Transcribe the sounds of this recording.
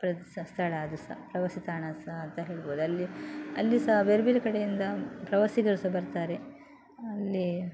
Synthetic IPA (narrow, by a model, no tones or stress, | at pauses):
pɾɐsɐst̪ʰɐɭaːd̪usɐ̰pɾɐʋɐsit̪aːɳasɐɦɐnt̪ɐɦeːɭboːd̪uɐlːiɐ̰lːisɐɦɐbeɾbiːɾkɐɽejind̪ɐpɾɐʋɐsiɡɐɾusɐbɐɾt̪aːɾe | ɐlːi